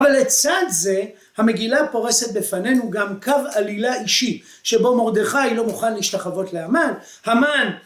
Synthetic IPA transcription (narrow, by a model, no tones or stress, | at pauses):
valːet͡sad̪ze̞ | hame̞ɡilapo̞ʁe̞se̞t̪̚befane̞nuɡamkavalilaiʃi | ʃe̞bo̞mo̞ʁd̪eχajlo̞muχanliʃt̪aχavo̞tleaman | haman